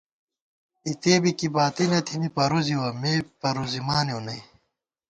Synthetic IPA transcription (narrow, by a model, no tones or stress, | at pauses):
it̪eːbikibaːt̪inɐt̪ʰimipɐɾuziwɐmeːpɐɾuzimaːnjonɐi